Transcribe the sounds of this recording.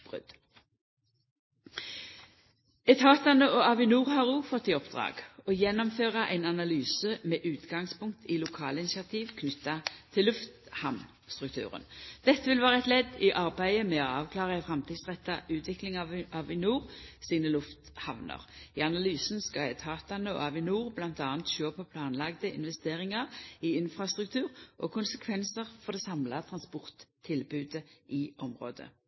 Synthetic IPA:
bʁʉ̰d̪̥ | ɛt̪ʰɑːt̪ɑnəɔɑʋɪnuːʁhɑʁuːfɔt̪ːɪɔpd̪ʁɑ̰ːɡɔjɛnːɔmføːʁɑʔæ̰ɪnɑnɑlyːsəmɛːʔʉːt̪ɡɑŋspʰʊŋk̚t̪ʰɪlʊkʰɑːləɪnɪsɑt̪ʰiːʋkʰnʏt̪ːɑt̪ʰɪlːʉft̪hɑmn | st̪ʁʉkt̪ʰʉ̰ːʁə̰nd̪̥ɛt̪ːəʋɪlʋæːʁəɛt̪lɛd̪ɪʔɑʁbæɪəmɛoɑːʋkʰlɑːʁəɛfɾɛmt̪ʰiːd̪sʁɛt̪ːɑʔʉːt̪ʰʋɪklɪŋɑɑʋɪnuːʁsiːnəlʉft̪hɑʋnə̰ʁɪɑnɑlyːsn̩skɑjæt̪ʰɑːt̪ɑnəɑʋɪnuːʁblɑnt̪ɑːnt̪ʃøːpʰɔpʰlɑːnlɑɡd̪əɪ̰nʋɛst̪eːʁɪŋɑʁɪɪnfɾɑst̪ʁʉkt̪ʰʉːʁʔɔ̰kʰʊnsəkʰʋɛnsəʁfɔd̪ɛsɑmlɑt̪ʰɾɑnspɔʁt̪ʰːɪlbʉːd̪əʔɪʔɔmʁo̰ːd̪ə̰

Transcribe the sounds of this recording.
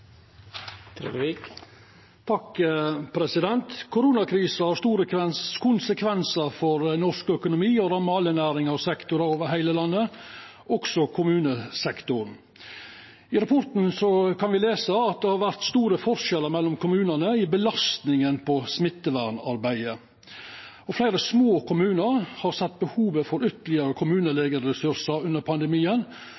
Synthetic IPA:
t̪ʰɾḛːd̪ik | t̪ʰɑkpʰɾɛsɪd̪ɛnt̪kʰʊɾuːnɑkʰɾiːsəhɑɾʂt̪uːɾəkɛkʰʊnsəkʰʋɛnsəɾfɔɾnɔʂkœkʊnʊmiːɔɾɑːmɑːlənæːɾɪŋɑʋsɛkt̪ʊɾɑɾoːʋəɾɦæɪləlɑnːə | ʔɔɡsɔkʰʊmʉːnəsɛkt̪ʊɾn | ɪɾɑpʰɔɾt̪n̩sɔkʰɑnʋɪleːsəɑt̪̚d̪ɛhɑɾʋæɾt̪st̪uːɾəfɔɾʂɛlːəɾmɛlːɔmkʰʊmʉːnənəɪbəlɑst̪nɪŋənpʰɔsmɪt̪ːəʋæɾɳɑɾbæɪə | ɔflæɪɾəsmoːkʊmʉːnəɾhɑɾsɛt̪̚ːbəhuːʋəfɔɾʏt̪əlɪəɾəkʰʊmʉːnəleːɡəɾəsʉɾʂəɾʉnːəɾpʰɑnd̪əɛmiːən

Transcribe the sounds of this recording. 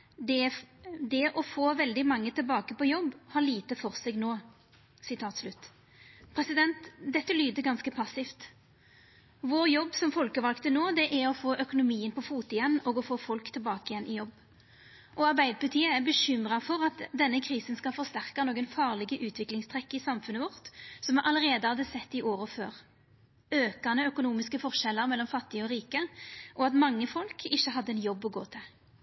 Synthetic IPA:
d̪ɛd̪ɛʔɔfoːʋɛld̪ɪmɑŋːət̪ʰɪlbɑːkəpɔjɔbːhɑʁliːt̪əfɔʁseːɡnoː | sɪt̪ʰɑːt̪slʉt̪ː | pʰʁɛsɪd̪ɛnt̪d̪ɛt̪ːəlyːd̪əɡɑnskəpʰɑsɪft̪ | ʋoːɾjɔbːsɔmfɔlkəʋɑlkt̪ənoːd̪ɛʔæʁɔfoːʔœkʊnʊmiːənpʰɔfuːt̪ɪjɛnːɔɡɔfoːfɔlkt̪ʰɪlbɑːkəɪjɛnʔɪjɔbː | ʔɔɑʁbæɪd̪əpʰʊt̪ʰiːəæʁbəɕʏmʁɑfɔʁɑt̪d̪ɛnːəkʰʁiːsənskɑlfɔʁst̪æʁkɑnoːɡənfɑːʁlɪɡəʔʉːt̪ʰʋɪklɪŋst̪ʰʁɛkːəɪsɑmfʉnəʋɔʁt̪sɔmɛʔɑləʁeːd̪əhɑd̪əsɛt̪ːɪʔoːʁəføːʁ | øːkɑnəœkʊnuːmɪskəfɔʁʃɛlːəʁmɛlːɔmfɑt̪ːɪəɔʁiːkəʔɔɑt̪mɑŋːəfɔlkʰɪçːəɦɑd̪ːəɛnjɔbːɔɡoːt̪ʰɪl

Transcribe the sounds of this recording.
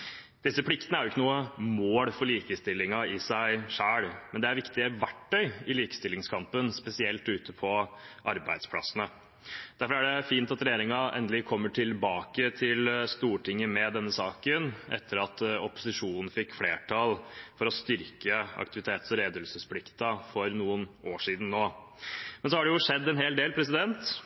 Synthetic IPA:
d̪̥ɪsːəpʰɽɪkt̪ənəæɾjʊɪkːənuːəmoːɽfɔɭiːkəst̪ɪlːɪŋɑɪsæɪʂæːɽmɛnd̪ɛæɾʋɪkt̪ɪəʋæʈːœʏɪliːkə̥st̪ɪlːɪŋskʰɑmpənspɛsɪɛlt̪ʉːt̪əpʰɔʔɑɾbæ̰ɪd̪spʰlɑ̰sənə | d̪̥æɾfɔɾæɖɛfiːnt̪ɑt̪ɾɛjeːɾɪŋɑʔɛ̰nd̪əlɪkʰɔmːəʈʰɪlbɑːkət̪ʰɪlst̪uːʈʰɪŋːəmɛd̪ɛnːəsɑːkənʔɛ̰t̪ʰːəɾɑt̪ɔpʊ̥sɪʂuːnn̩fɪkːfleːʈʰɑlfɔɾɔst̪ʏɾkəɑ̰kt̪ɪʋɪt̪ʰeːt̪sɔɾeːd̪əəlsəspʰlɪkt̪ɑfɔɾnuːənoːʂiːd̪n̩ːoː | mɛns̬ɔhɑɖɛjʊʂɛd̪ːɛnɦeːld̪eːlpʰɾɛs̬ɪd̪ɛnt̪

